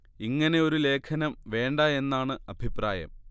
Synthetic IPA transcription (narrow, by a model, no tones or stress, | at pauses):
iŋːɐne̞o̞ɾule̞ːkʰɐnɐmʋe̞ːɳɖɐe̞nːaːɳɨɐbʱipraːjɐ̰m